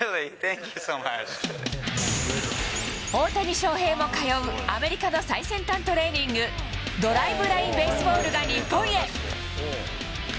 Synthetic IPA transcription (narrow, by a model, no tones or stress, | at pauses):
lit̪ɛ̃ŋkʲjɨsoma̰t͡ʃ | oːt̪aɲ̟iɕo̞ːɦe̞ːmo̞kajo̞ɯ̟ame̞ɾʲikano̞saisẽ̞nt̪ãnt̪o̞ɾe̞ːɲ̟ĩŋɡɯ̟ | d̪o̞ɾaibɯ̟ɾaĩmbe̞sɨbo̞ːɾɯ̟ɡaɲʲipːõ̞ɰ̃e